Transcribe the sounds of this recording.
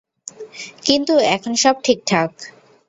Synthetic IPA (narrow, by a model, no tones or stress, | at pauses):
kint̪uɛkʰonʃɔb̚ʈʰik̚ʈʰak